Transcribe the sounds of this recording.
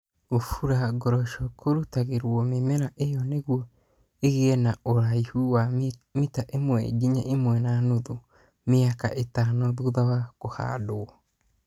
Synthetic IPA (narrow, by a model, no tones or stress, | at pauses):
ofuɾaɡɔɾɔʃɔkʰoɾutaɣeɾwɔmemɛɾaʔejɔneɣwɔ | eɣeɛnaoɾaihuwamitaʔemwɛ̰ɡiɲaʔemwɛnanoðo | meaka̰ʔetanɔðuðawakoha̰doɔ